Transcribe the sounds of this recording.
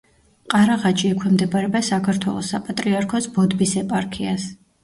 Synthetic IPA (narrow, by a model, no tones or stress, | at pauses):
qʼaɾaʁat͡ʃʼiɛkʷʰwɛmd̪ɛbaɾɛbasakʰaɾt̪ʰwɛ̰lˠɔsapʼat̪ʼɾiaɾkʰɔsbɔd̪bisɛpʼaɾkʰias